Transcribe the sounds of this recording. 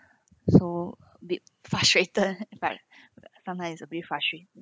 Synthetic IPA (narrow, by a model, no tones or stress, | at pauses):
so | bit̚ | fɹastɹetəd̚ĩnfɛ̰k̚ | sãmtãjmssəbitfɹastɹet